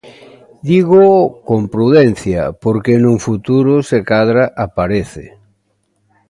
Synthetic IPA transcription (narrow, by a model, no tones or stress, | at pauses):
d̪iɣokompɾuðɛn̟θja̰poɾkenũŋfut̪uɾʊsekaðɾaʔapaɾeθɪ̰